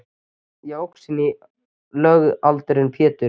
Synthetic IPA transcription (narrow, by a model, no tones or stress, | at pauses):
jowksɪnːɪ | lœːɣalt̪ɾɪnpʰjɛːt̪ʏ